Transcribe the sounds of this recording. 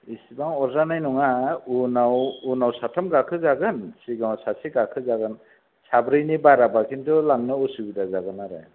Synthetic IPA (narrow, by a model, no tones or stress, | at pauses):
isibaŋɔɾzanajnuŋaunawunawsatʰamɡakʰɯzaɡɯnsiɡaŋsasiɡakʰɯzaɡɯn | sabɾɯjnibaɾabakʰintulaŋnɯusubidazaɡɯnaɾḛ